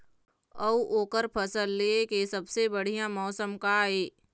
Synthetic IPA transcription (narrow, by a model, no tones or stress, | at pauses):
ɐuʔoːkəɾpʰəsəlːeːkesəbsebəɽ̤ijãmɔːsəmkaeː